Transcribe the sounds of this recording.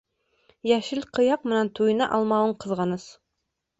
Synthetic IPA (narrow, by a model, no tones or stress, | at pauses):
jæʃɘlqɤ̆jɑq̚mɘ̆nænt̪ujɤ̆nɑʔɑlˠmɑwɤɴqɤ̆ðʁɑnɤs